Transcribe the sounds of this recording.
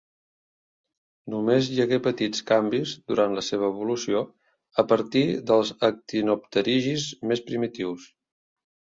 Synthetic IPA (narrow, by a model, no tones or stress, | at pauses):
numezʎəɣepət̪it͡skambizd̪uɾant̪ləseβ̞əːβulusio | əpəɾt̪iðəlˠzək̚t̪inup̚t̪əɾiʒizmespɾimit̪iws